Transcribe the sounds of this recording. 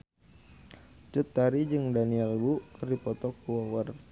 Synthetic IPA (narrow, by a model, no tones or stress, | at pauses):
t͡ʃət̪ːaɾid͡ʒɨŋdaniɛlbukərdipɔt̪ɔkuwɔwər